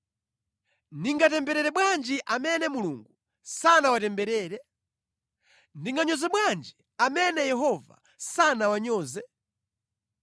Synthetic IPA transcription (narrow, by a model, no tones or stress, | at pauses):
niŋɡatɛmbɛɾɛɾɛɓwand͡ʒiʔamɛnɛmuluŋɡu | sanawatɛmbɛɾɛːɾɛ | ndiŋɡaɲɔzɛɓwand͡ʒi | amɛnɛjɛɦɔva̰ | sanawaɲɔːzɛ